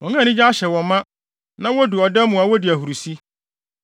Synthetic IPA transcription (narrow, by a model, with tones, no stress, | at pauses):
wɔ̃˨ŋã˦˨nɪ̃˦d͡ʑa˦ɕɛ˨wɔ̃˨mːã˦ | nã˦wɔ˦du˨ɔ˨dɛ˦mũ˨a˨wɔ˦dɪ˨æ˨ɦu˨ɾu˨si˦